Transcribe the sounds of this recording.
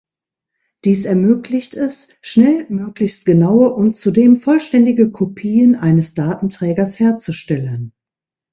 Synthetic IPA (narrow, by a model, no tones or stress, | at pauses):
d̥iːsɛɐmøːklɪçtɛs | ʃnɛlmøːklɪçst̚ɡ̥ənaʊəʔʊnt͡sudeːmfɔlʃtɛndɪɡəkʰopʰiːənʔaɪnəsd̥aːtn̩tʁ̥ɛːɡɐsheːɐt͡suʃtɛlən